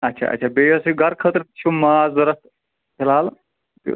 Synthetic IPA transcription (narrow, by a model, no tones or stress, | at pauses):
ɐt̪ːt͡ʃʰa̰ːʔɐ̰t̪ːt͡ʃʰaːbejosiɡɐɾkʰət̪ɾt͡ʃʰumaːzɐɾɐst̪ | pʰelaːl | t̪ṵ